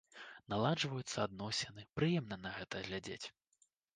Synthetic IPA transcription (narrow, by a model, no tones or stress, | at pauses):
nalˠad͡ʐvɐjut̪sːɐad̪̚nɔsʲɛnɨpɾɨjɛmnɐnɐɣɛt̪ɐɣlʲad͡zʲḛt͡sʲ